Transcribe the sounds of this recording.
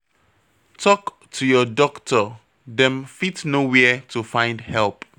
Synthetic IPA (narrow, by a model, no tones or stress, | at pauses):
tʰɔk | tʰujɔdɔktʰə | dɛ̃mfitnowɛtʰufãɪ̃ndhɛlˠp